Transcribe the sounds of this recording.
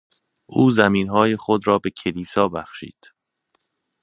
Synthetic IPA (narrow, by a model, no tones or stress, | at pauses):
ʔuːzæmiːnɦɒːje̞xod̪ɾɒːbe̞cʰe̞liːsɒːbæxʃḭːd̪̥